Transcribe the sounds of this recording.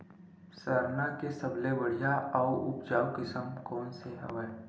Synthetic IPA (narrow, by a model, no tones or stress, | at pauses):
səɾnakesɐbleʋəɽijaɔːʊ̰pd͡ʒaːwkɪsəmkɔːnseɦɛ̰ʋɛː